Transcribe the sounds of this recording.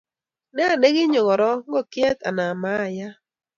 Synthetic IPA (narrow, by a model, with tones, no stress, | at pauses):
nɛ˦a˨ne˦ɡɪ˦ɲɔ˨ŋɔ˨ɾɔ˦ŋɡɔ˦˨kɪ˦ɛ˦t̪a˨na˨ma˦˨ja˦